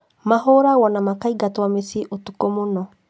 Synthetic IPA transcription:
maɦoɾaɣɔnamakaiɡatwamesiʔotukomonɔ

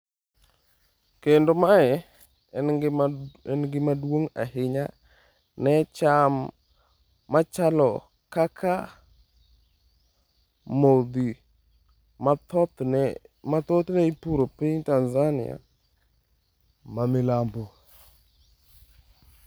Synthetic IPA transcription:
kendomaɛ | ɛnɡɪmadwoŋa̰ɦɪɲa | nɛt͡ʃamː | at͡ʃalɔ | kakʰa | mod̪i | mat̪ot̪nɛipuɾopiɲtanzanɪ̰a̰ | mamɪlambo

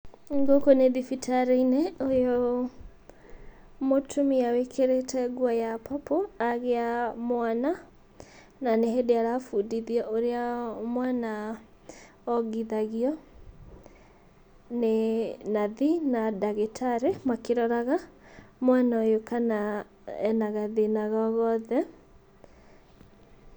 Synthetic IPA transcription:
ŋɡokoneðifitʰaɾeineojo | motʰumiawekʰeɾetʰɛɣwajapʰɔpoaɣeamwana | naneɦedeaɾafudiðiɔʔoɾeamwana | ɔɡiðaɣiɔ | nenaðinadaɣetʰaɾemakeɾɔɾaɣa | mwanaɔjokana | ɛ̰naɣaðenaɣɔɣɔðɛ

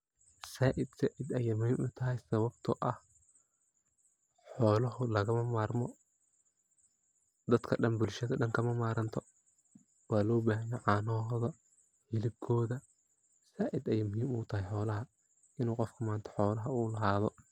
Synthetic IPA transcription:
saːʔɪd̪saːʔɪd̪ɛjɛmʊhiːmʊːt̪ʰɐɦɛjsɐβɐbt̪ʰɔʔɐh | ħɔːlɐɦʊlɐɣɐmɐmaːrmɔ | d̪ɐd̪kʰɐɖɐnbʊlʃɐðɐɖɐŋkʰɐmɐmaːɾɐnt̪ʰɔ | wɑːlɔːbaːɦɐjɛjʕɑːnɐɦɔːðɐ | hɪlɪb̚kʰɔːðɐ | saːʔɪd̪ɛjaːmʊɦiːmuːt̪ʰɐɦɛjħɔːlɐɦɐ | ɪnuːqɔfkʰɐmaːnt̪ʰɐ̥ħɔːlɐɦɐuːlɐɦaːðɔ

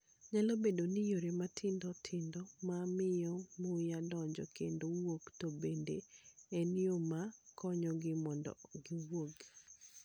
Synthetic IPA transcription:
ɲalobedonijoɾematʰɪndɔtʰɪndɔmamɪjɔmojadɔɲd͡ʒɔ̰kendowoktobendḛeniomakɔɲɔɡɪmɔndɔ̰ɡɪwoɡ

